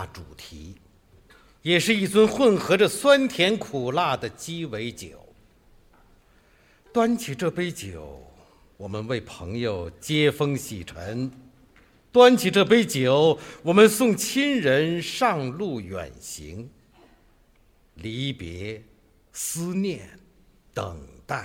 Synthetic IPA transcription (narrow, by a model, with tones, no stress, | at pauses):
ʈ͡ʂu˨˩t̪ʰi˧˥ | jɛ˨˩ʂɻ̩˥˧i˥˩t͡swə˥nxwə˥˩nxɤ˧˥ʈ͡ʂə˨swa˥nt̪ʰjɛ˧˥nkʰu˨˩la˥˩d̪ə˩t͡ɕi˥we˧˥ɪt͡ɕjo˨˩˦ʊ | t̪wa˥nt͡ɕʰi˧˥ʈ͡ʂɤ˥˩pe˥ɪt͡ɕjo˨˩ʊ | wɔ˨˩mə˦nwe˥˩ɪpʰɤ̰˧˥ŋjo˨˧˩ʊt͡ɕjɛ˥fɤ˥ŋɕḭ˨˩ʈ͡ʂʰə˧˥n | t̪wa˥nt͡ɕʰi˨˩ʈ͡ʂɤ˥˧pe˥ɪt͡ɕjo˨˩ʊwɔ˨˩mə˨nsʊ˥˩ŋt͡ɕʰi˥nɻə˧˥nʂɑ˥˧ŋlu˥˩ɥɛ̰˨˩nɕḭ˧˥ŋ | li˧˥pjɛ̰˧˥ | sɹ̩˥njɛ˥˩nt̪ə̰˨˩ŋt̪a˥˩ɪ